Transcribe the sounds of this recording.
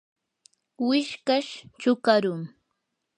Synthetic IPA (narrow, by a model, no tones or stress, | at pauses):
wɪʃkaʃt͡ʃʊkaɾʊŋ